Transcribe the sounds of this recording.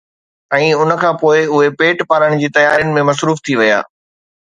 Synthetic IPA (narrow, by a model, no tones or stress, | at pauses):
ɛ̃ːʊnə̆kʰãːpoːɪʊɦepeːʈpaːɾəɽ̃d͡ʑiːt̪ɐjaːɾijʊnɪ̆mẽmɐs̬ɾuːft̪ʰiʋɐja̰ː